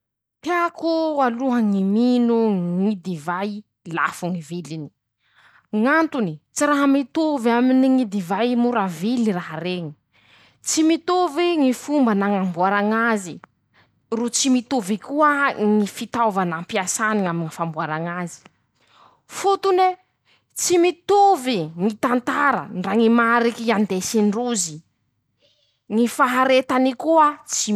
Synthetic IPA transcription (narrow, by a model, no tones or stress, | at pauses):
t̪eakualuɦəŋiminuŋid̪ivaj | la̰fuŋivilini̥ | ŋant̪unit͡siɾaɦamit̪ovaminiŋid̪ivajmuɾaviliraɦaɾeŋi̥ | t͡simit̪oviŋifumbanaŋambuaɾaŋazi | rut͡simit̪uvikuəŋifit̪awvanampiasaniŋamiŋifambuaɾaŋazi̥ | fut̪une | t͡simit̪uviŋit̪ant̪aɾə̰nraŋimaɾikiand̪esinruzi | ŋifaɦaɾet̪anikuət͡si